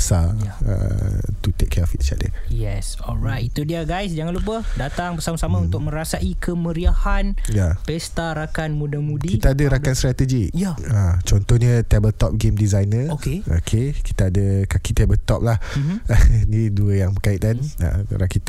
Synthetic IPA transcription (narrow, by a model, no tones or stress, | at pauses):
sajaə̰t̪ut̪ekʰːɛfit̪̚t͡ʃa̰ʔ̚də̰jɛs | ɔlɾat̪it̪udiaɡajsd͡ʒaŋanlup̬əhdat̪aŋbəsamasamãunt̪ʊk̚mə̃ɾasaʔikʰəməɾiahanjapɛst̪aɾakanmũdamudikit̪aadəɾakanst̪ɾat̪əd͡ʒijaat͡ʃɔnt̪ɔhɲət̪ɛbəlt̪ɔp̚ɡemdizajnəokeo̰kʰeki̥t̪aːdəkakit̪ɛbəlt̪ɔp̚lahmniduəjaŋbəkait̪ana̰ɾakit̪